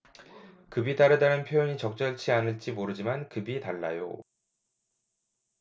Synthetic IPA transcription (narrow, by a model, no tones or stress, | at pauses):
kɯbitaɾɯdanɯnpʰjojoɲit͡ɕʌk̚t͡ɕ͈ʌɭt͡ɕʰianɯɭt͡ɕ͈imoɾɯd͡ʑimankɯbitaɭːa̰jo̰